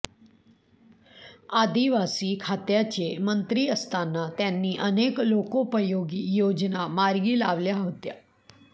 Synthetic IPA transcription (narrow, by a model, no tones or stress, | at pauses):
ad̪iʋasiːkʰat̪jat͡ɕemənt̪ɾiːəst̪anːat̪janːiːʔəneklokopəjoɡiːjod͡ʑnamaɾɡiːlaʋljaɦot̪ja̰